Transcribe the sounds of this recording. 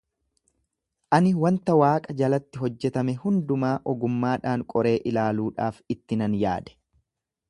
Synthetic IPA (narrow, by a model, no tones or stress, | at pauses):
ʔɐnɪwɐnt̪ɐwaːkʼɐd͡ʒɐlɐt̪ːɪɦɔd͡ʒːɛt̪ɐmɛhʊnd̪ʊmaːʔɔɡʊmːaːᶑaːŋkʼɔɾe̞ːʔɪlaːluːᶑaːfɪt̪ːɪnɐnja̰ːd̪ɛ̥